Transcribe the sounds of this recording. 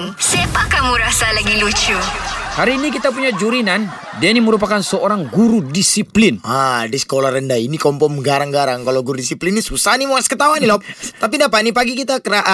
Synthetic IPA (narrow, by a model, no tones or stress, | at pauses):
sepakamuɾasalaɡilut͡ʃuhaɾiːnikit̪ap̬uɲad͡ʒuɾinan | diainiməɾup̬akansəoɾaŋɡuɾudisiplɪnadisə̥kolarəndainikɔmpɔmɡaɾaŋɡaɾaŋkalawɡuɾudisiplinisusanimoaskət̪awanilɔp̚t̪apinapanipaɡikit̪akəɾaʔa